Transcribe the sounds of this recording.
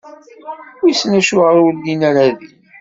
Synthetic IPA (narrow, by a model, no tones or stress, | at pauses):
wjsnæʃʊʁəɾʊɾlinaɾaði